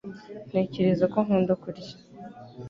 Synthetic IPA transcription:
n̥eːceɾezakoŋuːndokuɾɟḁ

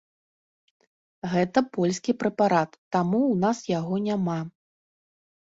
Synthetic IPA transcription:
ɣɛt̪ɐpɔlʲskʲipɾɛpaɾat̪ːamuwnasjaɣɔnʲama

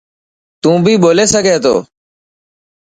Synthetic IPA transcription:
t̪ũːbʱiːɓoːleːsəɡʱeːt̪o̰ː

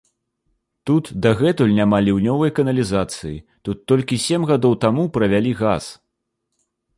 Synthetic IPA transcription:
t̪ut̪d̪aɣɛt̪ulʲnʲamalʲiwnʲɔvɐjkɐnɐlʲizat̪sɨjḭt̪ut̪ːɔlʲkʲisʲemɣad̪ɔwt̪amupɾɐvʲalʲiɣas

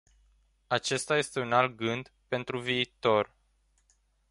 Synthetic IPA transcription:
at͡ʃe̞st̪aje̞st̪e̞unalt̪̚ɡɨnd̪pe̞nt̪ɾuviːt̪o̞r

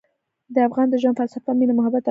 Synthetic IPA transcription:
d̪əafɣɑnd̪əʒanfalsafaminamʊɦabat̪a

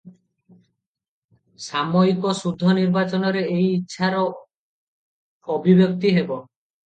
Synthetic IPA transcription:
samoikɔsud̪ʱːɔniɾbat͡ʃɔnɔɾeejitːʃʰaɾɔ | bʱibjok̚t̪iɦebɔ

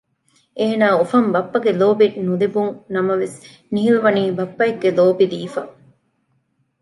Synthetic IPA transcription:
ʔeːnaːofɐmbɐpːɐɡeloːbinulibuŋnɐmɐʋes | niɦiluʋɐniːbɐpːɐeɡːeloːbid̪iːfɐ

